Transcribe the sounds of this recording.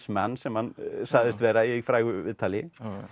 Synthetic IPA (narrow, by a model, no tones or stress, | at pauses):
smɛnːsɛmhansaːɣðɪst̪vɛːɾaijɛɣfɾaːjɣʏvɪ̰ðt̪ʰaːlɪ